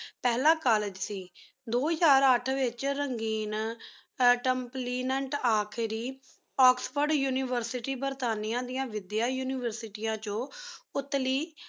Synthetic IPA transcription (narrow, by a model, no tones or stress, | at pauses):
pɛːlaːkaːlɪd͡ʒsiː | d̪oːd͡ʒaːɾəʈʰʋɪt͡ʃɾəŋɡiːn | ʈəmpliːnəɳʈaːkʰɪɾiː | ɔːksʋəɾɖjuːnɪːʋəɾsɪʈiːbəɾt̪aːnɪjãːd̪ɪjãːʋɪd̪jaːjuːnɪːʋəɾsɪʈiːãːt͡ʃõːʊt̪ːliː